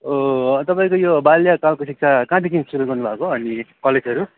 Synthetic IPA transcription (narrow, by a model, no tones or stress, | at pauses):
ot̪ʌpaĩkojobaljakalkosik̚t͡sʰakãt̪ikimsuɾʌɡʌrnubʱakoʌnikʌled͡zʌɾu